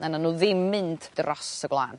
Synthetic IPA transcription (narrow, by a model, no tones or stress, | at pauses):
nanənuːðɪmːɨntʰd̥rɔsəɡwlˠaːn